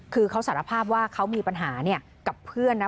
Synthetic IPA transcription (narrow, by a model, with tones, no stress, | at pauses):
kʰɯː˧kʰa˦˥saː˩˦ɾa˧pʰaː˥˩p̬̚waː˥˩kʰa˦˥wmiː˧pa˧nɦaː˩˦ni˥˩ɐ | ka˨˩pʰɯ˥˩ənːa˦˥